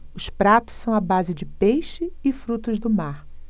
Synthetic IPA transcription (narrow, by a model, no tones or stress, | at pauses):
ʊspɾat̪ʊ̥ssɐ̃w̃abazɪd͡ʒɪpejʃɪɪfɾut̪ʊzd̪ʊmaɾ